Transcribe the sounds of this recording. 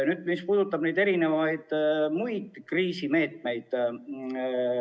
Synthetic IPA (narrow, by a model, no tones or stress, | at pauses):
nyːd̪̥̚mispuːd̪̥ut̪ːˑɑb̥nejd̪e̞ɾine̞vɑjd̪̥mujd̪̥kriːsime̞ːt̪ˑme̞jd̪̥